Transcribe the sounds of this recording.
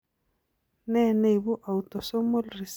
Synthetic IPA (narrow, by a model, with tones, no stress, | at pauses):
nɛ˦˨ne˦i˨βu˦ʔa˨u˨t̪ɔ˨sɔ˦mo˦lri˨s